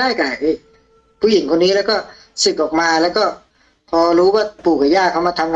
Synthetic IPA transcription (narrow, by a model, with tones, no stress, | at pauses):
aː˥˩jka˨˩ʔɯː˧˩ | pʰuː˧˩ji˨˩˦ŋkʰo˧nːiː˦˥lɛː˦˥wkɔː˥˩ | sɯ˨˩k̚ʔɔː˨˩k̚maː˧lɛː˦˥wkɔː˥˩ | pʰɔː˧ɾuː˦˥waː˧˥˩puː˨˩k̚ːa˨˩jaː˥˩kʰa˧˩wma˧˩t̪ʰa˧mŋa˧